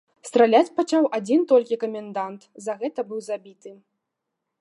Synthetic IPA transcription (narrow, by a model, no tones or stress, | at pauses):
st̪ɾalʲat͡sʲpat͡ʂawʔad͡zʲint̪ɔlʲkʲikɐmʲɛnd̪ant̪zɐɣɛt̪ɐbɨwzabʲit̪ɨ